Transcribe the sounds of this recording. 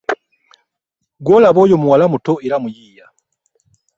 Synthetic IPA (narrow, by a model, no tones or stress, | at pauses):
ɡolaβoːjomuwalamutoeɾamujiːja